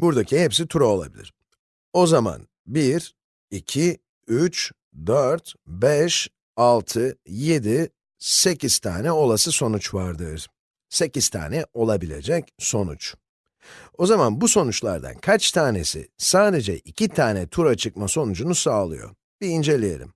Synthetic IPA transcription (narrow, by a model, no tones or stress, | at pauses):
buɾd̪acʰihɛps̬it̪ʰuɾao̞lˠa̰bilʲḭɾ̥ | o̞zama̰n | biɾ | icʰi | yt͡ʃ | d̪øɾt̪bɛʃ | alˠt̪ʰɯje̞d̪i | se̞ciz̥t̪ʰa̰ːnɛo̞lˠasɯso̞nut͡ʃvaɾd̪ɯɾ̥ | se̞ciz̥t̪ʰa̰ːnɛo̞lˠabilʲe̞̰d͡ʒɛcso̞nṵt͡ʃ | o̞zamanbuso̞nut͡ʃlˠa̰ɾd̪a̰nkʰat͡ʃt̪ʰaːne̞̰sḭsaːd̪e̞d͡ʒɛ̰ʔicʰit̪ʰaːnɛt̪ʰuɾat͡ʃʰɯk̚maso̞nud͡ʒunusaːlˠɯ̰jo̞̰ | b̥iːnd͡ʒe̞lʲije̞̰lʲḭm